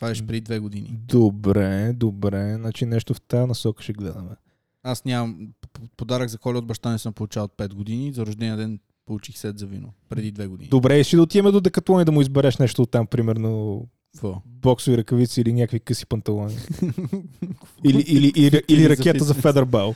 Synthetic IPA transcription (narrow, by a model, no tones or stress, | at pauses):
t̪vaɛʃpɾɛd̪id̪vɛɡod̪inḭd̪obɾɛd̪obɾɛnat͡ʃinɛʃt̪oft̪anɐsɔkə̥ʃɛɡlɛd̪əmɛ | asnʲamɐmpod̪aɾəɡzɐkɔlʲɛod̪̚bɐʃt̪anɛsəmpolˠut͡ʃalˠot̪̚pɛt̪̚ɡod̪inizɐɾʊʒd̪ɛnʲiəd̪ɛn | polˠut͡ʃixsɛt̪zɐvino̰pɾɛd̪id̪vɛɡod̪ḭnid̪obɾɛisʃid̪ɐot̪iɛmɛd̪od̪ɛkɐt̪ˠɔnid̪ɐmʊizbɛɾɛʃnɛʃt̪oːt̪ːampɾimɛɾno̥ | ɔ | bɔksʊviɾɐkɐvit̪siːlinʲakəvikɤsi̥pɐnt̪ɐlˠɔni | iliʔiliʔɾiliɾɐkʲɛt̪əzɐfɛd̪ɛɾbɛlˠ